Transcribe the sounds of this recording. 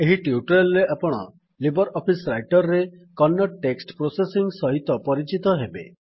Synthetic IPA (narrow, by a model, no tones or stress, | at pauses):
eɦiʈiuʈɔɾelɾeʔapɔɽ̃ɔ̰ | libɔɾɔpʰisɾajʈɔɾɾekɔnːɔʈːeksʈpɾosesiŋsɔɦit̪ɔpɔɾit͡ʃit̪ɔɦebḛ